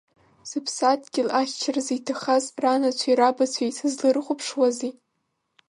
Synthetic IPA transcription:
z̥ɨpʰsatʰʼɡʲɪlaχʲt͡ʃʰarzitʰaχazranat͡ɕʷʰiɾabat͡ɕʷʰejsɨzlɨrχʷʊpʰʂwazi

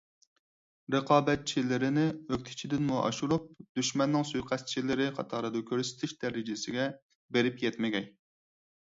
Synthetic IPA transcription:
ɾɨqʰɑːbɛt̪̚t͡ʃʰilɪɾɪnɪøk̚ʲt̪ʰɪ̥t͡ʃʰid̪ɪnmuʔɑ̰ʃuɾup̚d̪yʃmɛnːɪŋsujqʰæst͡ʃʰilɪɾɪqʰɑ̰t̪ʰɑːɾɨd̪ɑkʲʰøɾsɪ̥t̪ʰɪʃd̪̥ɛɾɪd͡ʒɪsɪɡʲɛ | beɾɪpjɛt̪mɪɡʲɛj

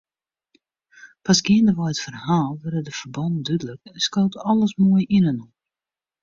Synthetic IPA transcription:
pasɡiəndəʋɔjətfərhaːlˠʋɛrədəfərbɔndydələkɛskoːtɔlˠəsmoəjinənɔ

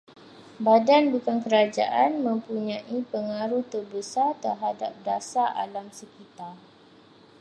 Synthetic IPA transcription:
badanbukankəɾad͡ʒa̰ʔanmə̃mpuɲãʔipəŋaɾuht̪ərbəsart̪ərɦada̰p̚dasaa̰lamsəkit̪ar

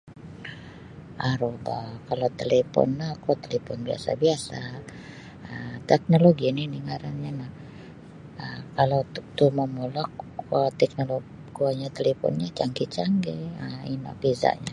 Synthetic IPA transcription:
ʔaɾobakalawt̪elepɔ̰nːahkat̪elepɔnbia̰sa̰biasa | ət̪ɛk̚noloɡininiŋaɾanɲanah | əkalowt̪t̪uməmulɔkat̪ɛk̚nolo | kuaɲat̪elepɔ̰nɲat͡ʃaŋkit͡ʃaŋɡɛəina̰fiza̰ʔɲa

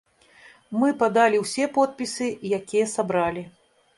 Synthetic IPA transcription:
mɨpad̪alʲiwsʲɛpɔt̪̚pʲisɨjakʲijɐsabɾalʲi

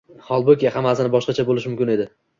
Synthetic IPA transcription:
hɒlˠbokʲahamːasɪnɪbɒʃqɑt͡ʃʰabolɪʃmʊmkʲɪne̞d̪ɪ

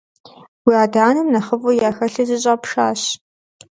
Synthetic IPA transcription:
wiaːdaːnɨmnɐχəvujaːxɐɬɐzɨɕʼapʂaːɕ

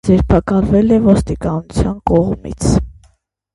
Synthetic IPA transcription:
d͡zɛɾpʰɑkɑlvɛlɛvɔst̪ikɑnut͡sʰjɑnkɔʁmḭt͡sʰ

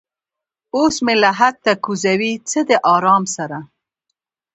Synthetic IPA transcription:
osmelaɦak̚t̪akuzawit͡səd̪əʔɑɾɑmsaɾa

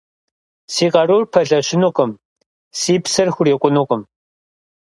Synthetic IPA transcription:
siːqɐruːrpʰɐɮɐɕɪnuːqʼʊm | siːpsɐrxʷʊreːkʷʼʊnuːqʼʊm

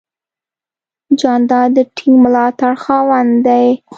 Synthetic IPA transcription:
d͡ʒɑnd̪ɑd̪əʈʰiŋɡmʊlɑt̪aɽxɑwand̪aj

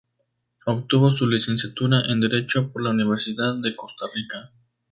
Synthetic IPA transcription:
ok̚t̪uβo̞sulise̞nsjat̪uɾaʔend̪e̞ɾe̞t͡ʃo̞po̞ɾlauniβ̞e̞ɾsiðaðːe̞ko̞st̪arika

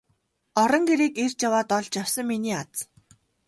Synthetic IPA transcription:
ɔɾɞ̆ŋɡeɾiːkert͡ɕjawaːt̪ɔɮt͡ɕjawsə̆ŋminiːat͡s

